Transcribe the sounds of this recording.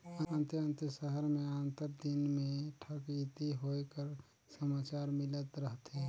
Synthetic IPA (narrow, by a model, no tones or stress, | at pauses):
əə̃nt̪əə̃nt̪əʃəɦəɾmẽaːnt̪əɾd̪ɪnmẽʈʰəkit̪iɦoekəɾ | səmaːt͡ʃaːɾmɪlət̪ɾəɦt̪e